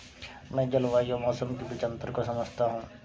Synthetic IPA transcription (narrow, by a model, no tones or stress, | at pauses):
mɛ̃ːd͡ʒəlʋaːiomɔːsəmkibɪt͡ʃə̃nt̪əɾkosɐməd͡ʒʱt̪aɦũː